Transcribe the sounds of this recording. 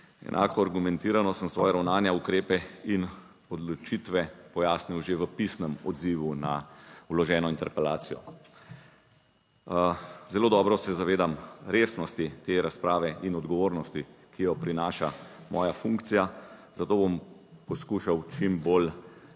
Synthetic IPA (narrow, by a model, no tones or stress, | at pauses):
ɛ̰nʔa̰ːkɔaɾɡumɛnt̪iːɾanɔsəmsʋɔ̰ːjaɾawnaːnjaukɾeːpɛin | ɔd̪lɔt͡ʃit̪ʋɛpɔjaːsniwʒeʋəpisnəmɔ̰d̪ziʋuna̰wlɔʒɛːnɔint̪ɛɾpɛlaːt̪sijɔ̰ | zɛloːd̪ɔːbɾɔsɛzaʋeːd̪amɾeːsnɔst̪it̪eɾaspɾaːʋɛʔinɔd̪ɡɔʋoːɾnɔst̪i | kijɔpɾinaːʃamʔɔːjafuŋkt̪sijazat̪oːbom | pɔskuːʃawt͡ʃimbol